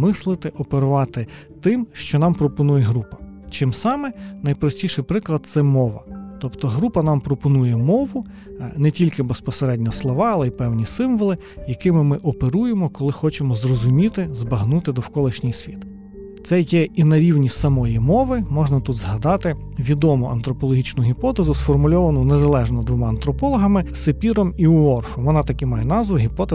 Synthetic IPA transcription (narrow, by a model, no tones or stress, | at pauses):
mɪslˠɪt̪ɪʔɔpeɾʊʋɑt̪ɪ | t̪ɪmʃt͡ʃɔnɑmpɾɔpɔnujɛɦɾupɐ̥t͡ʃɪmsɑmɛnɐjpɾɔsʲtʲiʃɪjpɾɪklˠɐd̪̚t̪sɛmɔʋɐt̪ɔpt̪ɔɦɾupɐnɑmpɾɔpɔnujɛmɔʋʊ | nɛtʲilʲkɪbespɔseɾɛdʲnʲɔslˠɔʋɑɐlˠɛipɛwnʲisɪmʋɔlˠɪ | jɐkɪmɪmɪʔɔpeɾujemɔkɔlˠɪxɔt͡ʃemɔzrɔzʊmʲit̪ɪzbɐɦnut̪ɪd̪ɔwkɔlˠɪʃnʲɪjsʲʋʲit̪ | t̪sɛjɛinɐɾʲiwnʲisɐmɔjimɔʋɪmɔʒnɐt̪ud̪zɦɐd̪ɑt̪ɪʋʲid̪ɔmʊʔɐnt̪ɾɔpɔlˠɔɦʲit͡ʃnʊɦʲipɔt̪ezʊsfɔrmʊlʲɔʋɐnʊnezɐlˠɛʒnɔd̪ʋɔmɑɐnt̪ɾɔpɔlˠɔɦɐmɪsɪpʲiɾɔmiʊɔrfɔmʋɔnɑt̪ɐkɪmɑjɛnɑzʋʊɦʲipɔt̪e